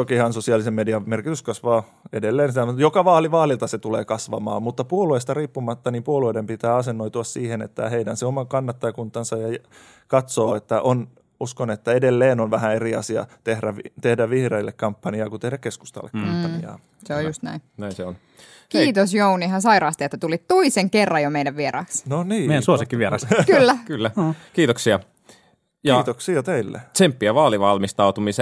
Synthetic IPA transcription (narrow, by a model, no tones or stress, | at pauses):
okihɑnsosiɑlisemmediɑmerkit̪yskɑsʋɑː | edelːeːnsit̪æmujokɑʋɑːliʋɑːlilt̪ɑset̪uleːkɑsʋɑmɑ̰ːmmut̪ːɑpuoluest̪ɑriːpːumɑt̪ːɑniːmpuolueidempit̪æːɑsenːoit̪uɑssiːhenḛt̪ːæ̰heidænseomɑŋkɑnːɑt̪ːɑjkunt̪ɑnsɑjɑ | kɑt̪soːet̪ːæʔon | uskonet̪ːæedelːeːnonʋæhæeriɑsiɑ̰t̪ehɾæit̪ehdæʋʋihreilːekkɑmpːɑniɑːkut̪ehdækkesku̥st̪ɑ̰lːḛkkɑmpːɑniɑ̰ː | seojust̪næ̰innæinseon | kiːt̪osjouniɦɑsɑiɾɑːst̪iet̪ːæt̪ulit̪t̪oiseŋkerːɑjomeidæʋʋieɾɑ̰ːksnoniːeiæsuosikːiʋʋieɾɑskylːækylːækiːt̪oksiɑ | jɑːt̪oksiɑt̪eilːḛt͡ʃempːiæʋɑːliʋɑlmist̪ɑut̪umise